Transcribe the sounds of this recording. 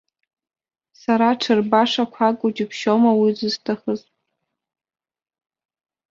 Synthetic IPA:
saɾaʈ͡ʂʰɨrbaʂakʷʰakʼod͡ʒɪpʰʃomawizɨztʰaχəzʼ

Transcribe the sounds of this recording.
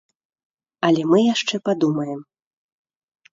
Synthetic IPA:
ɐlʲɛmɨjaʂt͡ʂɛpad̪umɐjɛm

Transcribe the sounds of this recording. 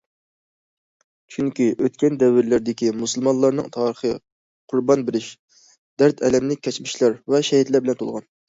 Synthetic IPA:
t͡ʃʰyŋkʲiʔøt̪kʲɛnd̪ɛwːɪɾlæɾd̪ɪkʲimusɨlˠmɑnlˠɑɾnɨ̰ŋt̪ʰɑɾəχə | qʰʊɾbɑnbɪɾɪʃ | d̪̥æɾt̪ʰɛlɛmlɪk̚ʲʰːɛt͡ʃmɪʃlæɾvɛʃɛɦit̪læɾbɪlɛnt̪ʰolˠʁɑ̰n

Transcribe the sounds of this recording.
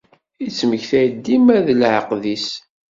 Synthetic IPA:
it͡sːməçθæjd̪ːimæðəlʕəqðis

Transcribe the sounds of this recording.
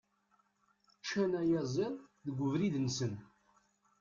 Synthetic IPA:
t͡ʃːænæjæzˤenðəɡʷːəvɾiðnsən

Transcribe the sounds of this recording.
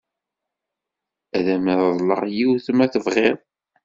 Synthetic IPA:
æðæməððˤlə̰ʁjiwθəmæθəvʁeɾˤ

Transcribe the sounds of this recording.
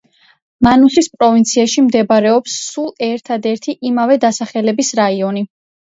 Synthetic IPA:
manusɾispʼɾɔvint̪sʰiaʃimd̪ɛbɾɛɔpsːulˠɛɾt̪ʰad̪ɛɾt̪ʰiʔimavɛd̪asaχɛlɛbisɾaiɔni

